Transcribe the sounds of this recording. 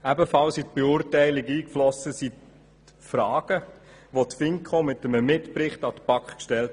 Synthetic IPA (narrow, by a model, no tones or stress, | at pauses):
æbəfɑlsit̪b̥eʊːɾtæɪlɪɡiːkflɔsəsit | frɑːɡ̥əʋotfɪŋkʰχomɪtəməmɪtprɪχtɑd̥̪əpɑkχkʃtɛlt